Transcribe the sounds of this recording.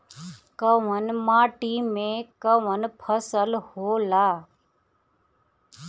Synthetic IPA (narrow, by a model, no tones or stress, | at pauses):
kəʋənmaːʈiːmẽkəʋənpʰəsəlhoːlaː